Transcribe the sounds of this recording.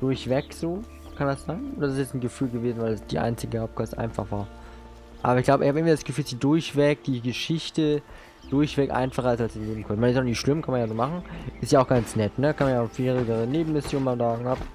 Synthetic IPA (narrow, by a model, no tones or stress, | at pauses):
d̥ʊɐçv̥ɛkz̥oː | kʰandasz̥aɪnʔʊnd̥asɪstjɛt͡sn̩ɡəfyːlɡəveːzn̩vaɪlasd̥ḭːʔa̰ɪnt͡sɪɡəhaʊp̚tkʰɔstʔa̰ɪnfa̰χv̥aːɐ | ʔaːbɐɪçɡ̥laʊbəɪçhabəɪŋviːdasɡ̥əfyːlsd̥iːdʊɐçv̥ɛk̚d̥iːɡəʃɪçtə | d̥ʊɐçv̥ɛktʔa̰ɪnfaχɐaɪsalsd̥iːneːbm̩kʰɔnmaɪnɪsjannɪçʃlɪmkʰanmanjaːzoːmaχn̩ʔɪstjaːʊxɡ̥ant͡snɛtnədakʰanmanjaːfeːʁɪɡəʁəneːbm̩mɪsjoːnmaːzaːɡŋ̩ap